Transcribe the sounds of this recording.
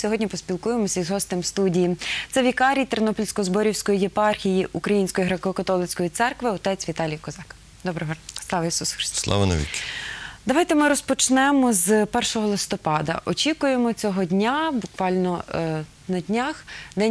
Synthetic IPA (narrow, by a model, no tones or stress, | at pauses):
sʲɔɦɔdʲnʲipɔsʲpʲilˠkujemɔsʲɐizɦɔst̪ɪmst̪udʲijit̪sɛʋʲikɑɾʲijt̪eɾnɔpɔlʲsʲkɔzbɔɾʲiwsʲkɔjijepɑrxʲijiʔukɾɐjinʲsʲkɔjiɦɾekɔkɐt̪ɔlˠɪt͡sʲkɔjit̪sɛrkʋɪɔt̪ɛt͡sʲʋʲit̪ɑlʲijɐkɔzɑk | d̪ɔbɾeɦɔslˠɑʋɐjisusxɾɪ̥st̪slˠɑ̰ʋɐnɐ̰ḭ | d̪ɐʋɑjt̪ɛmɪɾɔspɔt͡ʃnɛmɔzpɛrʃɔɦɔlˠɪst̪ɔpɑd̪ɐ̰ʔɔt͡ʃʲikʊjemɔt͡sʲɔɦɔdʲnʲabʊkʋɑlʲnɔ | nɐdʲnʲaxd̪ɛ